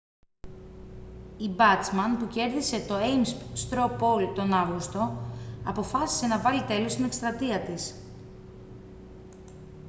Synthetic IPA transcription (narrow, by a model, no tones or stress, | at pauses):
ibɐt͡smɐnpuce̞ɾðise̞t̪o̞ejmsst̪ɾopo̞lt̪o̞nɐvɣust̪o̞ɐpo̞fɐsi̥se̞nɐvɐlit̪e̞lo̞st̪ine̞kst̪ɾɐt̪iɐt̪is